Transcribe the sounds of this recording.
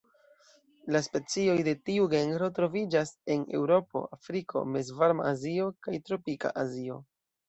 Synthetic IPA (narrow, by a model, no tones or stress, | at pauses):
laspe̞t͡sio̞jde̞tiuɡe̞ŋɡɾo̞tɾo̞vid͡ʒase̞ne̞wɾo̞po̞̰ʔafɾiko̞̰mezvaɾma̰azio̞kajtɾo̞pika̰ʔazio̞̰